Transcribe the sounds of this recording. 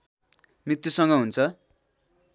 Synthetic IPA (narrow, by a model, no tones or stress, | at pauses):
mrit̪jusʌŋɡʌɦunt͡sʰʌ